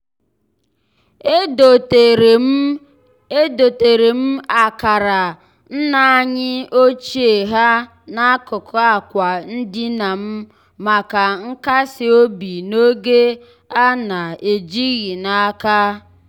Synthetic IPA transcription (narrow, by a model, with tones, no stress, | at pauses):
do˨te˨ɾe˨m̩˦a˨ka˨ɾa˨ | n̩˦na˨a˦ɲɪ˦o˦t͡ʃi˦e˨ɦa˦ | na˦kʊ˨kʊ˦a˨kʷa˨n̩˦dɪ˦na˨m̩˦ | ma˨ka˨ŋ̩˦ka˦sɪ˨o˦bi˨no˦ɡe˦ | a˦na˨e˨d͡ʒi˦ɣi˨na˦ka˦